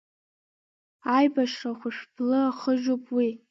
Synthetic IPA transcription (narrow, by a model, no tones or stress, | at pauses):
ajbaʃraχʷʊʂbʰlɨaχəʒopʼwi